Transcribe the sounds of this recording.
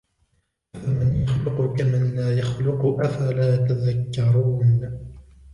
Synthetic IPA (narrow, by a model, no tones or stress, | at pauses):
ʔafamanjaxlʊqʊkamɪnlaːjaxlʊqʊʔafalaːt̪aðakːɑɾˤuːn